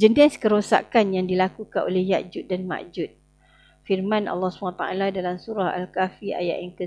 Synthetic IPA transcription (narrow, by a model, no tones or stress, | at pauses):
d͡ʒəndiaskəɾosa̰kanjaŋdilakukanʔo̰lɛhja̰ʔd͡ʒʊt̪̚danma̰ʔd͡ʒut̪̚ | firmãnɑ̰lːɑhsubaat̪aʔa̰ladalamsuɾaha̰lkafia̰ja̰ʔaŋkə